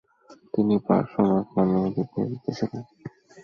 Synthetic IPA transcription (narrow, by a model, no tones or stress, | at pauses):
t̪inipa̰ɾʃɔmaknamed̪it̪ːedit̪ːet͡ɕʰilen